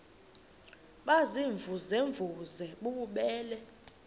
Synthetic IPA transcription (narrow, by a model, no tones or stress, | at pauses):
ɓaziɱvʱuzeɱvuzɛɓuɓuɓɛːlɛ